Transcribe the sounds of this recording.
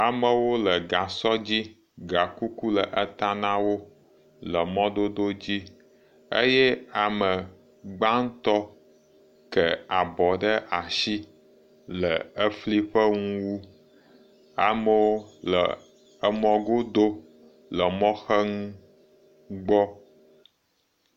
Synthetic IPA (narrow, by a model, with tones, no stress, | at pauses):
a˨mə˨wo˦lə˨ɡa˨sɔ˦d͡ʑi˦ | ɡa˨ku˦ku˦lə˨ʔə˦t̪a˦nã˦wo˦ | lə˨mɔ̃˦d̪o˦d̪o˦d͡ʑi˦ | ə̰˦jɛ˦a˨mə˨ | ɡ͡ba˦ŋ̩˦t̪ɔ˦ | kə˨a˨bɔ˨ɖə˦ʔa˨ʃi˦ | lə˨ə˦fli˦ɸə˦ŋũ˦wu˦ | a̰˨mə˦wo˦lə̰˨ | ə˦mɔ̃˦ɡo˦d̪o˦ | lə˨mɔ̃˦xə˦ŋũ˦ | ɡ͡bɔ˦